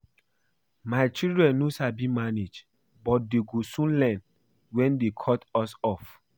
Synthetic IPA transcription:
maɪt͡ʃildɹɛ̃nːosabimaned͡ʒ | bɔt̚deɡosũnlɛ̃n | wɛ̃ndekʰɔtɔsɔf

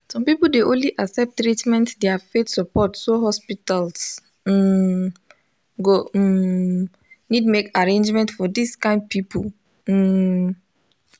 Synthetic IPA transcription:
sɔ̃mpipuldeʔõnliʔaksɛp̚tːɾitmɛ̃ntdɛafetsɔpɔtsoɦɔspitals̩ | ɡo | nidmekaɹẽnd͡ʒmɛ̃ntfɔdiskãɪ̃nd̚pipul̩

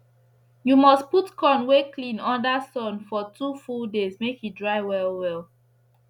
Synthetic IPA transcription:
jumɔstputkʰɔ̃nweklĩnɔ̃ndasɔ̃nfɔtʰufuldezmekhidɹaɪwɛlwɛl

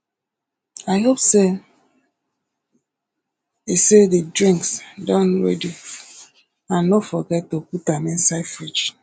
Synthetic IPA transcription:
aɪɦopse | isededɹĩŋksdãnɹɛ̰di | ãnːɔfɔɡɛtːoputamɛ̃nsafɹid͡ʒ

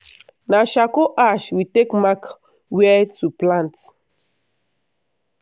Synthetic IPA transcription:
naʃakoʔaʃwitekmak | wɛtuplãnt

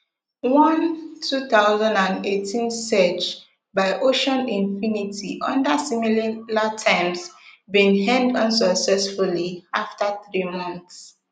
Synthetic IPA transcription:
wɔ̃ntʰuθaʊzãndãnetʰĩnsɛt͡ʃ | baɪʔoʃɔ̃nĩɱfinitʰiʔʌ̰̃ndəsimillatʰãɪ̃msbĩnhɛ̃ndʌ̃ns̬ɔksɛsfuliaftaθɹimɔ̃nθs

